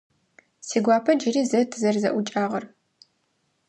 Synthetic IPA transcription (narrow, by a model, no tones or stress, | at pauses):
siːɡʷɑːpʰɐd͡ʒɪriːzɐtʰzɐrzɐ̰ʔʷʊt͡ʃʼaːʁɐr